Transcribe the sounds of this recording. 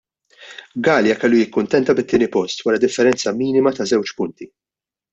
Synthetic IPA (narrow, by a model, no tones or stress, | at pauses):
ɡɐːljɐkɛlːujɪkːʊnt̪ɛnt̪ɐbɪt̪ːɪːnipɔst̪wɐɾɐd̪ɪfːɛɾɛnt͡sɐmiːnɪmɐt̪ɐzɛwt͡ʃpʊnt̪i